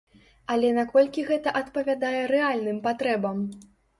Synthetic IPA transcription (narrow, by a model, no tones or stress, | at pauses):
ɐlʲɛnakɔlʲkʲiɣɛt̪ɐʔɐt̪pɐvʲad̪ajɛɾɛalʲnɨmpat̪ɾɛbɐm